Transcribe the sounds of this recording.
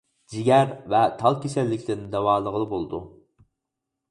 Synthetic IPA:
d͡ʒiɡʲɛɾvɛt̪ʰɑlˠkʲesɛlːɪkʲʰlɪɾnɪd̪ɛwɑːlˠəʁəlˠɨbolˠd̪u

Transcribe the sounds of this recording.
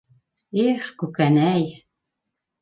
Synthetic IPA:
eχkukænæj

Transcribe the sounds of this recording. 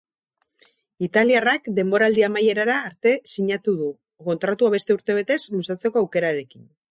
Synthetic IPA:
it̪aliarakd̪e̞mbo̞ɾald̪iamaje̞ɾaɾaːɾt̪e̞siɲat̪uðu | ko̞nt̪ɾat̪uaβ̞e̞st̪e̞uɾt̪e̞β̞e̞t̪e̞slusat͡se̞ko̞awke̞ɾaɾe̞kin

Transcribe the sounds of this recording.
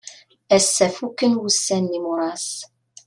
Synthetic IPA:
æsːæfukːənwusːænːimuɾˤɑs

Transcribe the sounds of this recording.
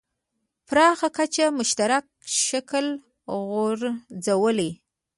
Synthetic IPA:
pɾɑxakat͡ʃamʊʃt̪aɾak̚ʃakəl | ɣoɾzawəle

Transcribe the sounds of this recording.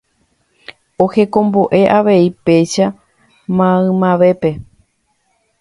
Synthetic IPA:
o̞he̞kõ̞mbo̞ʔe̞ʔaʋe̞ipe̞ʃa | mãɨ̃mãʋe̞pe̞

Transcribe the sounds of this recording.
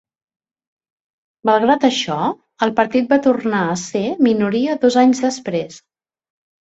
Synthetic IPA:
məlˠɣɾat̪əʃɔ | əlˠpəɾt̪it̪̚bat̪urnaəseminuɾiəðozaɲzðəspɾes

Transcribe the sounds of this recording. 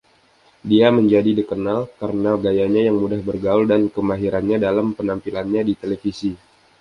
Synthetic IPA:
diaməɲd͡ʒadidəkənalkaɾənaɡajaɲajaŋmudahbərɡaʊldankəmaɦiɾanɲadalampənampilanɲadit̪elefisi

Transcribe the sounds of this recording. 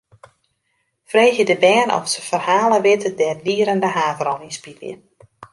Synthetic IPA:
freːxjədəbɛːnɔ̰fsəfərhaːləʋɪtədɛrdiːəɾəndəɦaːvəɾɔninspilɪ̰ə

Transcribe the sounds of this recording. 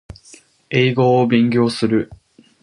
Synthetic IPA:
eːɡo̞ːbẽ̞ŋɡʲo̞ːsɨɾɯ̟

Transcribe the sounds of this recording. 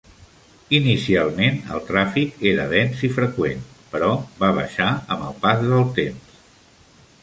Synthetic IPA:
inisialˠmenə̰lˠt̪ɾafikeɾə̰ðɛnsifɾəkwen | pəɾɔβaβə̰ʃaə̰mbəlˠpazðəlˠt̪ems

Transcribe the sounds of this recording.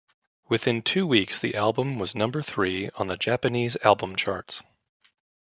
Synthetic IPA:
wɨθɪ̃ntʰʉwiksðḭʔælˠbə̃mwʌznʌ̃mbə˞θɹiə̃nðɨd͡ʒæpɨnizæ̰lˠbə̃mt͡ʃʰɑ̰ɹts

